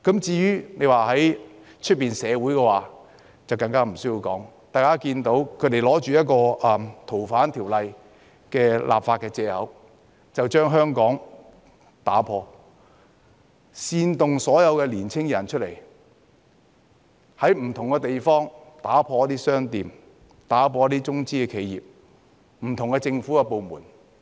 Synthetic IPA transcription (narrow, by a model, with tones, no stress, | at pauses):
kɐ˨˥mt͡siː˧jyː˥ne˨˧jwaː˨ɦɐ˨˥j | t͡ʃʰɵ˥t̚piː˨nsɛː˨˧wuː˨˥jkɛ˧waː˨˩ | t͡sɐ˨˩wkɐ˧ŋkaː˥m̩˨˩sɵ˥jiː˧wkɔ̰ː˨˥ŋ | t̪aː˨jkaː˥kiː˧nt̪o˨˥wkʰɵ˧ɥt̪e˨jlɔː˨˥t͡ʃyː˨jɐ˥t̚kɔː˧ɐ˨mt̪ʰo˨˩wfaː˨˥nt̪ʰiː˨˩wlɐ˨j | kɛː˧lʔa̰ː˨pfaː˧t̚kɛː˧t͡sɛː˧hɐ˨˥w | t͡sɐ˨wt͡ʃœː˥ŋɦœː˥ŋkɔː˨˥ŋ | t̪aː˨˥pʰɔː˧ | siː˧nt̪ʊ˨ŋsɔː˨˥jɐ˨˧wkɛː˧liː˨˩nt͡sʰɪ˥ŋjɐ˨˩nt͡ʃʰɵ˥t̚le˨˩j | hɐ˨˥jm̩˨˩t̪ʰʊ˨ŋkɛ˧t̪e˨jfɔː˥ŋt̪aː˨˥pʰɔː˧ɐ˥t̪iː˥sœː˥ŋt̪iː˨m | t̪aː˨˥pʰɔː˧jt̪iː˥t͡sʊ˥ŋt͡siː˥kɛː˧kʰe˨˧jjḭː˨˩p̚ | m̩˨˩t̪ʰʊ˨˩ŋkɛ˧t͡sɪ˧ŋfuː˨˥kɛ˧po˨˧wmuː˨˩n